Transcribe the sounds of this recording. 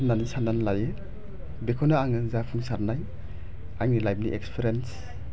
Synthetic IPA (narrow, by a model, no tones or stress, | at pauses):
nanisananlaje | bekʰɔnaaŋɯzapʰuŋsaɾnaj | aŋnilajp̚niʔekspʰeɾens